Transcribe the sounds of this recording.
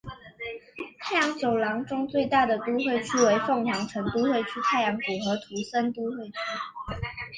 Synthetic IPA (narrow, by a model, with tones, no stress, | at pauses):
t̪ʰa˥˩ɪjɑ˧˥ŋt͡ɕjo˨˩ʊlɑ˧˥ŋʈ͡ʂʊ˥ŋt͡swe˥˧ɪt̪a˥˩d̪ə˩t̪u˥xwe˥˧ɪt͡ɕʰy˥we˧˥ɪfo˥˩ŋtɑ˨˥ŋʈ͡ʂʰə˧˥ŋt̪u˥t̪we˥˧ɪt͡ɕʰy˥t̪ʰa˥˩ɪjɑ˧˥ŋʈ͡ʂu˨˩xɤ˧˥t̪ʰu˧˥sə˥nt̪u˥xwe˥˩ɪt͡ɕʰy˥